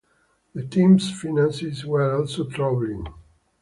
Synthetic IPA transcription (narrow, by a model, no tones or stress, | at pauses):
ðətʰĩmsfinãnsizwəɹɔlsotʰɹavlɪ̃ŋ